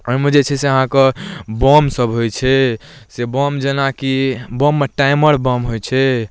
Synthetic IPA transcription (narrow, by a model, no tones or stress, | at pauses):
ɔɾmud͡ʒet͡ʃʰɛseəɦãkebɔmsəbʱɦojt͡ʃʰɛsebɔmd͡ʒenakibɔmːeʈajməɾbɔmɦojt͡ʃʰɛ